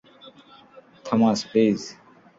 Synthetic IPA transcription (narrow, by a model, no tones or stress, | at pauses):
t̪ʰɐmãːspeːz